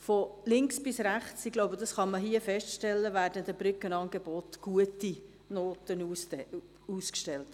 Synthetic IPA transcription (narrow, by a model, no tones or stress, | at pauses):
fɔlɪŋksb̥ɪsɾæχt͡sɪɡ̥loʊbədɑsχɑməɦiəfɛʃtʃtɛlːəvæːɾdənd̪əb̥ɾʏkənɑːnɡebɔtɡ̥uəti | noːtənus | uskʃtɛlt